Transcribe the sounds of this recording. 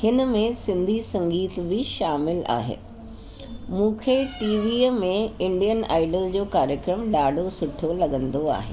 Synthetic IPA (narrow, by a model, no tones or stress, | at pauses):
hɪnəmẽsɪ̃nd̪ʱisɐ̃ŋɡiːt̪bɪʃaːmɪla̰ːɦḛː | mũːkʰeʈiːʋiːmẽɪ̃ɳɖijəna̰ːɪɖəld͡ʑoːkaːɾjəkɾəmɗaːɖʱosʊʈʰolɐɠə̃nd̪oa̰ːɦḛː